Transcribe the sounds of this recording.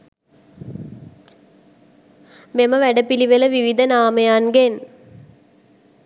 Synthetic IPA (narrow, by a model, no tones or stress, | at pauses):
meməʋæɖəpiliʋeləʋiʋid̪ənaːməjanɡen